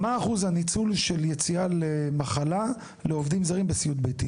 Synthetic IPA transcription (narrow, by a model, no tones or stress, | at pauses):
maːχuzhanit͡sulʃe̞ljet͡sialemaχala | leovdimzaʁimbesiut̚bejti